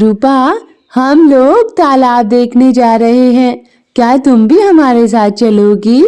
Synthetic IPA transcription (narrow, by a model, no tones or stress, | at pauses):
ɾuːpa | hɐmloːɡ̚t̪aːlaːb̚d̪eːkʰned͡ʒaːɾɐɦeɦɛ̃ː | kjaːt̪ʊmbʱiɦɐmaːɾes̬aːt̪̚t͡ʃɐloːɡiː